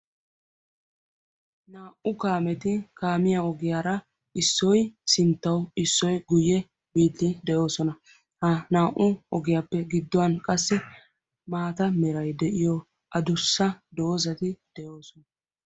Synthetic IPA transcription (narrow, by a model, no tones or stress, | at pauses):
naːʔʊkaːmɛt̪ɪkaːmɪjaɔɡɪjaːɾɐ | ɪsːɔjsɪnt̪ːɐwɪsːɔjɡʊjɛ | biːd̪ːɪd̪ɛʔo̞ːsɔnɐ | hɐnaːʔʊɔɡɪjaːpːɛɡɪd̪ːɔwɐnkʼɐsːɪ | maːt̪ɐmɛɾɐjd̪ɛʔɪjɔ | ʔɐd̪ʊsːɐd̪o̞ːzɐt̪ɪd̪̥ɛʔoːsɔnɐ